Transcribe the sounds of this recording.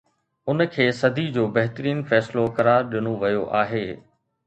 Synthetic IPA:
ʊnkʰeːsɐd̪ʱid͡ʑoːbɐɦt̪əɾiːnfɛːslokɐɾaːɾɗɪnoʋɐjoʔaːɦeː

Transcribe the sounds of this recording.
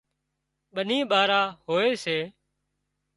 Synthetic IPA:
ɓənĩːɓaːɾaːhoːeːseː

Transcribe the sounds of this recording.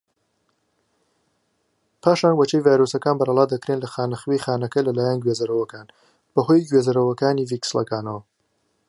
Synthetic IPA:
pʰaːʃaːnwɐt͡ʃejvaːjɾosɐkaːnbɐɾɐlˠaːd̪ɐkɾeːnlɐxaːnɐxwejxaːnɐkɐlɐlaːjɐnɡɥeːzɐɾɐwɐkaːn | b̥ɐɦojɡɥeːzɐɾɐwɐkaːniːvikslɐ̰kaːnɐwɐ

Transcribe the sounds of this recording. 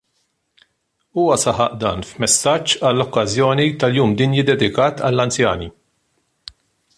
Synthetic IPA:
uːwɐsɐħɐʔd̪ɐ̰ːnfmɛsːɐt͡ʃːɐlːɔkːɐzjɔːnit̪ɐljuːmd̪ɪnjɪd̪ːɛd̪ɪkɐːt̪ʰɐ̰lːɐnt͡sjɐ̰ːnḭ

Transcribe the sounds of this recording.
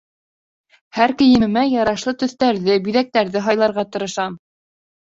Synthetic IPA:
hæɾkɘ̆jɘ̆ɘ̆mæjɑɾɑʃlˠɤt̪ɵ̆θt̪æɾðɘbyðæk̚t̪æɾðɘɦɑjlˠɑɾʁɑt̪ɤ̆ɾɤ̆ʃɑm

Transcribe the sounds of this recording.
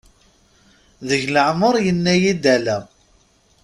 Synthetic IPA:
ðəʝləʕməɾˤjənːæjid̪ælæ

